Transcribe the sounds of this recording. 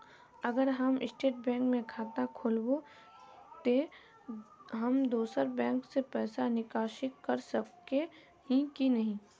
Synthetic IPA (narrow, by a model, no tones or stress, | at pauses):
ɐɡəɾɦəmɪ̰sʈeːʈ̚bɛ̃ːŋkmẽkʰaːt̪akʰoːlbo | t̪e | ɦɐmd̪oːsəɾbɛ̃ːŋksepɛːsanɪkaːʃɪkːɐɾsɐb̚ke | ɦĩkinɐɦĩː